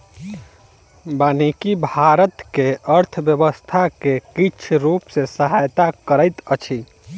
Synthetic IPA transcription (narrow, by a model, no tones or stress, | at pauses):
banikibʱaɾət̪keʔəɾt̪ʰbjəbəst̪ʰakekit͡ʃʰɾupsesəɦajt̪akəɾəɪt̪ət͡ʃʰi